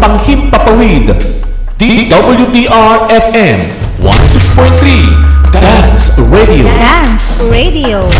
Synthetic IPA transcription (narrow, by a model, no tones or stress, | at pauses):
baŋhim̚papəlid | d̥idʌbəljudiʔaɹɛfɛ̃m | wã̰nsikspɔɪ̃t̪ɾiddãnsɹedio̰ãnsɹedio